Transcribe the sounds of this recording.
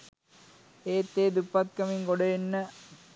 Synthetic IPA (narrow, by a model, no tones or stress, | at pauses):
eːt̪ːeːd̪upːɐt̪̚kɐmiŋkoɽɐjinːɐ